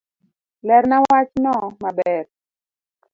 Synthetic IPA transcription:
lɛɾnawwat͡ʃnɔmabɛr

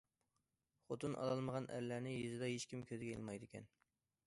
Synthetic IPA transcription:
χot̪unʔɑ̰lˠɑlˠməʁɑnʔæ̰ɾlænɪjyzɪd̪ɑɦet͡ʃkʲimkʲʰøzɡʲɛḛlˠmɑjd̪ɪkʲɛ̰n

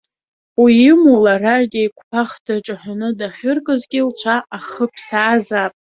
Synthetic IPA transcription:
wiɪmularaʒdʲioikʷʰʼpʰaχdʰaʈ͡ʂʼaħʷᶣanɨdaχʲʊrkʼɨzɡʲɪlt͡ʃʷʰaaχəpʰsaːzapʼ

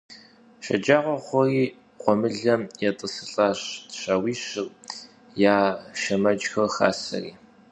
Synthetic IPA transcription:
ʃɐ̰d͡ʒaːʁʷɔχʷɔriː | qʷɔmɨɮɐmjɛtʼɨsɨɬʼaɕtɕɐwiːɕɨr | jaːʃɐmɐd͡ʒxɐrxa̰ːsɐ̰rḭː

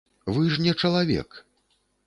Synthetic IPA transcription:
vɨʐnʲɛt͡ʂɐlˠavʲɛ̰k

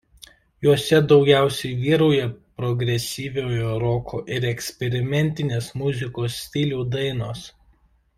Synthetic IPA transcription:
juɔsʲɛd̪ɒʊɡʲæˑʊsʲɛɪʋʲiːɾɔʊjɛpɾɔɡɾʲɛsʲiːʋʲoːjoːɾoːkʰoːʔɪɾɛksʲpʲɛɾʲɪmʲɛnʲt̪ʲɪnʲeːsmʊzʲɪkoːsːʲt̪ʲɪlʲuːd̪ɐɪnoːs

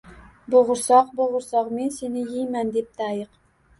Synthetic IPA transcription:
bʊʁʊɾsɒqboʁʊɾsɒqme̞nse̞nɪjijmand̪ep̚d̪ajɨq

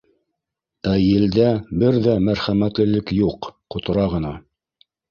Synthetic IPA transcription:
æjɘ̆ld̪æbɘɾðæmæɾχæmæt̪lɘ̆lɘkjuqː | ŏt̪ɤ̆ɾɑʁɤ̆nɑ

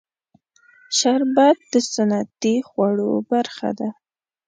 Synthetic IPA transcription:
ʃaɾbad̪̚d̪əsanat̪ixwaɽobaɾxa̰d̪a

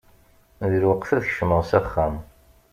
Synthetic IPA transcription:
ðiɾwəqθæðʃməʁsæχːæm

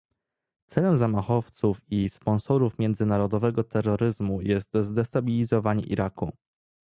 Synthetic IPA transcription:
t̪sɛlɛmzamaxɔft̪sufispɔ̃nsɔɾufmʲjɛnd̪zɘnaɾɔd̪ɔvɛɡɔt̪ɛɾːɔɾɘzmujɛst̪zd̪ɛst̪abʲilʲizɔvaɲɛ̰ʔḭɾaku

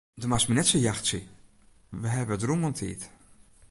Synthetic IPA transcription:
dəmasminɛtsəjaxtsə | ʋəɦɛbəədrumɔntʰḭːt

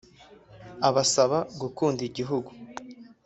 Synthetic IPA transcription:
aβasaβaɡukuːndiɟiɦuɡu

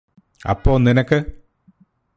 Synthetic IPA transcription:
ɐ̰pːoːlninɐkːɨ

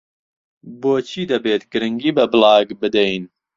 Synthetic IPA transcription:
boːt͡ʃʰiːd̪ɐbeːt̪ɡɨɾɨŋɡiːbɐbɨlɑːɡbɨd̪ɛjn

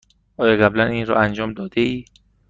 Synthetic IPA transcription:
ʔɒːjɒːɣæblæniːnɾɒ̰ːænd͡ʒɒːmd̪ɒːd̪eiː

